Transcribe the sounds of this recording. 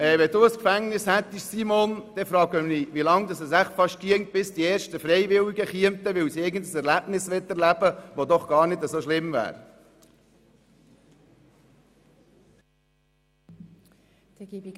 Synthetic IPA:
ɛːʋɛd̥uːəskfæŋnɪshɛt̪ːɪʃsimond̥ɛfɾɑːɡəniʋilɑŋd̪ɑsɛsæχfɑʃtkiəŋt̚b̥ɪsd̥iɛːɾʃtəfɾɛɪʋɪwiɡəχiəmt̪əʋɪlsiɪɡəndəsɛɾlæb̥nɪsʋɪtɛɾlæb̥əʋod̪ɔχɡ̥ɑːɾnɪdəzoʃlɪmvæ̰ːɾ

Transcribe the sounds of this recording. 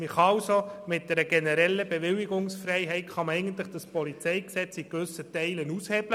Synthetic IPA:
miχɑɑlsomɪt̚d̥ɛɾəɡ̥ɛnəɾɛlːəbeʋɪliɡʊŋsfrɛɪɦɛɪtχɑmɛɪɡən̩tləχd̥əspɔlit͡sɛɪksɛt͡sikʋʏsətɛɪlənushɛb̥lə

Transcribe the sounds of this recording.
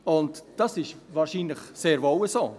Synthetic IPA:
ʊntd̥ɑsɪʃvɑːɾʃiːnləχseːɾvɔwəsoː

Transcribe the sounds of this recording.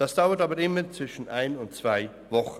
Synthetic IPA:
d̥asd̥aʊɐtaːbɐɪmɐt͡sv̥ɪʃn̩ʔaɪnʊntt͡sv̥aɪ | vɔχ

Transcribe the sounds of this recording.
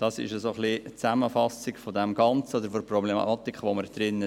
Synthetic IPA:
d̥ɑsɪ̰ʃəsoχlit͡sæməfɑsɪkfɔdɛmɡɑnt͡səodəɾfoɔɾprɔblemɑ̰ɑt̪ikʰχʋoməɾd̪̥ɾɪnə

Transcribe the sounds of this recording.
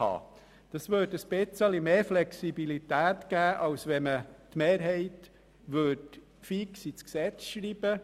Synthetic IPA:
ɑ̰ː | d̥ɑsvøːdəsb̥ɪt͡səlimeːɾflɛksibilitæːtɡ̥æːʔɑwsʋɛmətmeːɾɦɛɪt | ʋøt | fiksisksɛt͡sʃɾiːb̥ə

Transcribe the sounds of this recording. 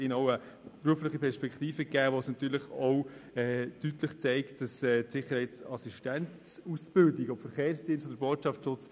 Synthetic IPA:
ɪnɔʊə | pɾuəflɪχipʰɛɾʃpɛkχtiːfəkæːʋosnɑt̪yːɾlɪχoʊɛːtytlɪχt͡sɛɪkt̚d̥ɑsɛːtsɪχəɾhɛɪt͡sɑsiʃtɛntsusb̥ɪldiɡɔpfəɾχeːɾsd̥iənstodəɾboːtʃɑft͡sʃʊt͡s

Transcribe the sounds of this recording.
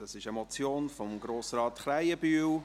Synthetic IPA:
d̥ɑsɪʃəmɔt͡sjoːnfɔmɡɾoːsɾɑːtχɾajəbyːw

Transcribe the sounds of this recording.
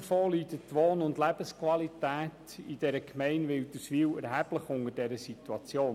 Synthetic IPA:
foːlyːdətːʋoːnʊndlæb̥əskwɑlitæːt | id̥ɛɾəkʰmɛɪnʋɪldəsʋiːwɛɾɦæb̥ləχʊŋəɾd̥ɛɾəsituɑt͡sjoːn

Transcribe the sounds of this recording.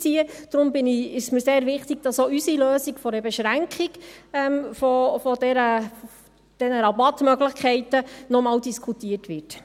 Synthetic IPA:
t͡siəd̥ɾʊmbɪniɪʃsmiɾseːɾvɪχtiɡd̥ɑsoysiløːsikfɔɾəbɛʃɾæŋkχikɛmfɔfɔdɛɾə | d̥ɛnəɾɑbɑtmœɡlɪχkʰɛɪtənɔmɑːwdiskʰutiətʋɪt

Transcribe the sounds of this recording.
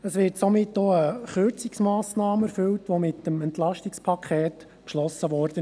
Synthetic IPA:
əsʋɪːɾtsɔmɪtːoːəχøɾt͡siksmɑːsnɑːmɛɾfʏltʋomɪt̪əmɛntlɑʃtikspʰɑkʰɛːt | ʃlɔsəʋɔːɾd̥ə

